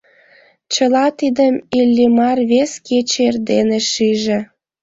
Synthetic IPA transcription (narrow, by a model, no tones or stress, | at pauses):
t͡ɕəlɑt̪id̪əmilʲːimɑrβesket͡ɕerd̪eneʃiʒĕ